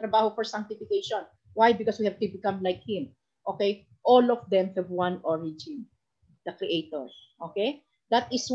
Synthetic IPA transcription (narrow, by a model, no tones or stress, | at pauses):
t̪ɾɐbaːhofɔɹsãŋk̚t̪ɪfɪkejʃɔ̃n | wajbɪkɔswihɛvt̪ʊbɪkãmlajk̚hɪ̃m | ʔoːkej | ʔolɔfd̪ɛ̃mhɛvwɐ̃nɔɹɪd͡ʒɪ̃n | d̪̥ɐkɾiʔet̪ɔɹsʔokej | d̪ɐt̪ɪs